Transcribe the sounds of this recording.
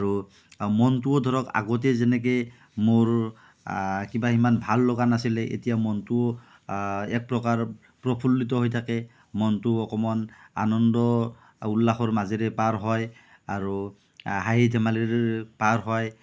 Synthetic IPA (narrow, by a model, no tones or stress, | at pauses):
aɹu | mɔntuodʱɔɹɔka̰ɡɔt̬ɛzɛnɛk̬e | moɹ | kibaɦimanbʱalːɔɡanasilɛʔḛtijamɔntuo | ɛk̚pɹɔkaɹ | pɹɔpʰulːit̬ɔɦojtʰakɛ | mɔntuɔkɔmɔna̰nɔndɔ | ulːaxɔɹmazeɹɛpaɹɦɔj | aɹu | ɦajidʱɛmaleɹpaɹɦɔj